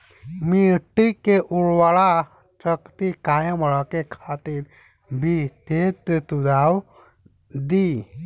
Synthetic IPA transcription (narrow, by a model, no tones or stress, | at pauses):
miʈikeʔuɭʋaɭa | t͡ɕəkt̪ikajemɔɭakekʰat̪iːɾ | bʱit̪et̪t̪ud̪aw | d̪i